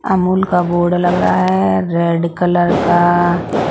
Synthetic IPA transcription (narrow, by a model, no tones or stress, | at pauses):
ɐmuːlkaboːɖlɐɡɾaaɦɛɾeːɖkɐləɾka